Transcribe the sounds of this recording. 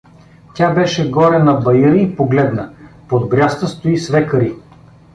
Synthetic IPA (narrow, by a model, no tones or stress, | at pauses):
tʲabɛʃɛɡɔɾɛnɐbɐjəɾiipoɡlɛd̪nəpod̪bɾʲjast̪əst̪oisvɛkəɾi